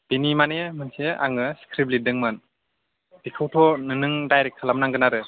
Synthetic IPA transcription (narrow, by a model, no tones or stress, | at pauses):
b̥inimanemɯnsea̰ŋɯskʰɾiblidɯŋmɯn | dikʰɯwtʰɔnɯnɯŋdajɾek̚tʰalamnaŋɡɯnaɾɯ